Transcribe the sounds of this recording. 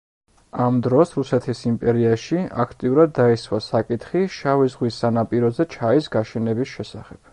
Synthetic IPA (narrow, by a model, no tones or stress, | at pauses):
amd̪ɾɔsɾusɛt̪ʰisimpʼɛɾiaʃia̰kʰt̪ʼiuɾad̪ːaiswasakʼit̪ʰχiʃavizʁwisːanapʼiɾɔzɛt͡ʃʰaisɡaʃɛnɛbisʃɛsaχɛb̥̚